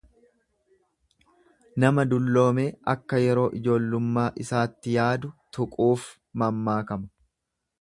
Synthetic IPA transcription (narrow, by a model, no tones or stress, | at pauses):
nɐmɐd̪ʊlːo̞ːme̞ːɐkːɐjɛɾo̞ːʔɪd͡ʒo̞ːlːʊmːaːʔɪsaːt̪ːɪjaːd̪ʊt̪ʊkʼuːf | mɐmːaːkɐmɐ̥